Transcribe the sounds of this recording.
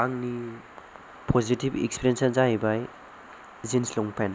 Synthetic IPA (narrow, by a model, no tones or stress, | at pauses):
aŋni | pʰozitibḛkspiɾijensazaibaj | zinslɔŋpʰen